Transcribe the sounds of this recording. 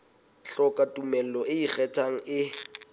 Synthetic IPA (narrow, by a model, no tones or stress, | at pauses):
ɬɔkʼatʼumɛl̩lɔʔɪik͡xɛtʰaŋ̩ʔɪ